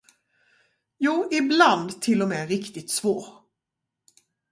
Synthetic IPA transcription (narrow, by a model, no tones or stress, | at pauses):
juːʔɪbland̪t̪ʰɪlːɔmɛːɾɪkt̪ɪt̪svoːɾ